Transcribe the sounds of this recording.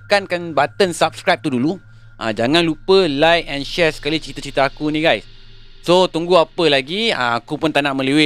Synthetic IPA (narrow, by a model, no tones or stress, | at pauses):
kankanbat̪ənsap̚skɾajp̚t̪udulu | ʔã̰d͡ʒaŋãnlupəlajɛnʃɛsə̥kalit͡ʃɾit̪ət͡ʃit̪əakuniɡajs | sot̪uŋɡuapəlaɡiə̰̃akupʊnt̪aʔnaʔmə̃liwɪ